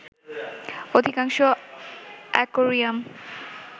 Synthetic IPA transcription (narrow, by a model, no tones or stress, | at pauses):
od̪ʱikaŋʃo | ɛ̰koɾijam